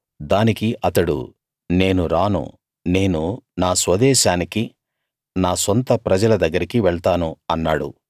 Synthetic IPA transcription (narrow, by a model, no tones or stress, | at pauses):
d̪aːnikiʔɐt̪ɐɽṵ | ne̞ːnuɾaːnṵ | ne̞ːnunaːsʋɐd̪ɛːʃaːniki | naːsont̪ɐpɾɐd͡ʒɐlɐd̪ɐɡːɐɾikiʋɛɭt̪aːnuɐnːaːɽṵ